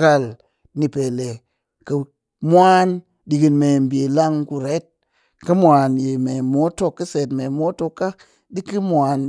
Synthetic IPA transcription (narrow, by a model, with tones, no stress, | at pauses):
ka˧l | ni˨pe˨le˨ | kə˨ | mʷ˦a˦n | ɗi˨ɡi˧nme˨m˨be˨la˦ŋku˧ɾe˦t̚ | kə˦mʷa˨nje˨me˨mo˦to˧kːə˦se˨tme˨mo˦to˦kːa˦ | ɗi˦kɨ˦mʷ˨a˨n